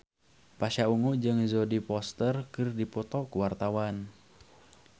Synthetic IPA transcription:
paʃauŋud͡ʒɨŋzɔdipɔst̪ərkɨrdipɔt̪ɔkuwart̪awan

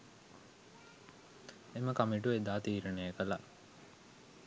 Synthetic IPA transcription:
eməkamiʈ̬ued̪aːt̪iːɾənejəkəla̰

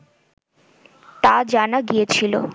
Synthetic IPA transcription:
t̪ad͡ʑanaɡijet͡ɕʰilo̰

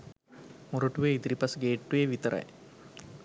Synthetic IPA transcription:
muɾoʈuʋeːid̪iɾipɐsɡeːʈːuʋeːʋit̪ɐɾʔɐ̰j

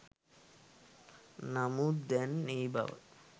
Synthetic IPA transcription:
namud̪ɛnejba̰b̰

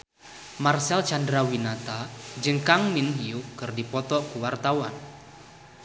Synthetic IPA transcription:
marsɛlt͡ʃandɾawinat̪ad͡ʒəŋkaŋminɦiukɨrdipɔt̪ɔkəwart̪awa̰n

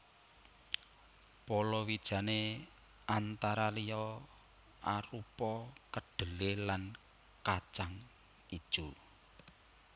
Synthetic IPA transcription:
pɔlɔwid̥ʒ̥ä̤ne | ant̪aɾalijɔ | aɾupɔkəɖ̥ə̤lelan | kat͡ʃaŋ | id̥ʒ̥u

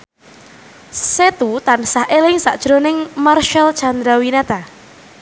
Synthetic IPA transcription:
set̪ut̪ansahelɪŋsaʔd̥ʒ̥ɾonɪŋmarʃalt͡ʃand̪ɾawinat̪a

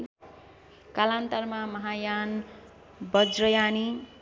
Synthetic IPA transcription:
kalant̪ʌrmamʌɦajan | bʌd͡zrʌjani

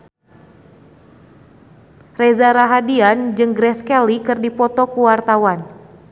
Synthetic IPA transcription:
rɛzaɾaɦadiand͡ʒɨŋɡɾɛskɛlikɨrdipɔt̪ɔkuwart̪awan

